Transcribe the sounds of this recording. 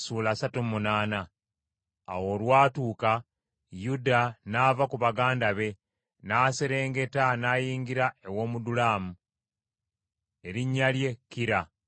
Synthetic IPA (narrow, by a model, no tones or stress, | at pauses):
suːlaːsatumunaːna̰ː | wo̞lwaːtuːka | judanavakuβaɡaːndaβe̞ | naːse̞ɾe̞ːŋɡe̞tanaːjiːŋɡiɾae̞wo̞ːmudulaːmu | e̞ɾiɲːalje̞kiɾa